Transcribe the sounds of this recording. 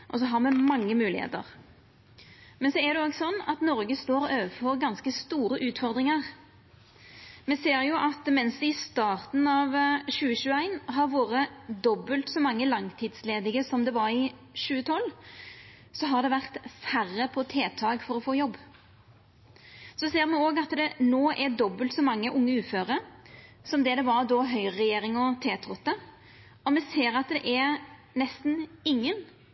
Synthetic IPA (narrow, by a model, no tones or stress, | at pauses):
ʔɔs̬ɔɦɑɾmɛmɑŋːəmʉːlɪ̰hḛːt̪ə̰ʁ | mɛnsɔæd̪ɛoːɡsɔnːɑ̰t̪nɔɾɡəst̪oːɾøːʋəfɔɾɡɑnskəst̪uːɾəʔʉːt̪fɔɾd̪ʁɪŋəʁ | mɛseːɾjʊʔɑt̪mɛnsd̪ɛɪst̪ɑːʁt̪n̩ɑʋɕʉːəɕʉːəæɪnɦɑɾʋoːɾəd̪ɔbːəlt̪sɔmɑŋːəlɑŋt̪ʰɪd̪sleːd̪ɪɡəsɔmd̪ɛʋɑɾɪ | ʃʉːət̪ʰɔlː | sɔɦɑʁd̪ɛʋæʁt̪færːəpʰɔt̪ʰeːt̪ʰɑːɡfɔɾɔfoːjɔbː | sɔseːɾmɛoːɡɑt̪d̪ɛnoːʔɛd̪ɔbːəlt̪sɔmɑŋːəʔʊŋːəʉːføːɾə | sɔmd̪ɛd̪ɛʋɑɾd̪ɔɦœʏʁɛjeːɾɪŋɔt̪ʰeːt̪ʰɾʊt̪ːə | ɔmɛseːɾɑt̪d̪ɛʔæ | nɛst̪n̩ɪŋːən